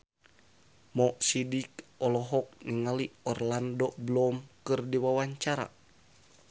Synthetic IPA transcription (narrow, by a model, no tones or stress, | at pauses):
mɔʔsidik̚ɔlɔɦɔk̚niŋaliɔrlandɔbəlɔmkɨrdiwawaɲt͡ʃaɾa̰